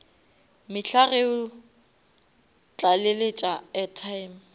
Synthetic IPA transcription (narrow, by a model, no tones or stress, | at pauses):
mɪɬʰaɣeʊ | t͡ɬʼalɪlet͡ʃʼaɛtʰajm